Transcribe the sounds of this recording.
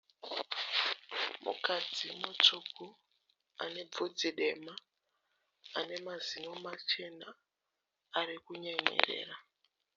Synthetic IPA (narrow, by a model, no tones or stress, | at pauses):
mṵkad͡zimut͡ʂuku | a̰ne̞od͡ziɗe̞ma | ne̞mazinomat͡ʃe̞naː | rikuɲeɲḛrḛːra